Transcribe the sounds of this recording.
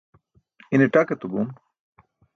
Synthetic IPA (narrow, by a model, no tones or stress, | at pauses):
ineʈaket̪ubum